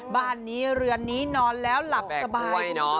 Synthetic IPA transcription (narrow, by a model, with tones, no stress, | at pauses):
baː˧˩nːiː˦˥ɾɯ˧˩ənːiː˦˥nɔː˧nlɛː˦˥wla˨˩k̚sɛ˨˩a˧˩baː˧˩a˥˩nɔ˦˥